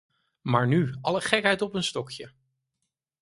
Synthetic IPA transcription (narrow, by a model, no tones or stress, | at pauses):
maːɹnyɑləχɛkɦɛjtɔpənstɔkjə